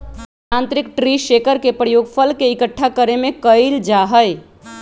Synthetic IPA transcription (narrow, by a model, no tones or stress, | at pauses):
ãnt̪ɾɪkʈɾiʃekəɾkepɾəjoːɡpʰəlkeɪkəʈʰːakəɾemẽkəɪld͡ʒaɦəɪ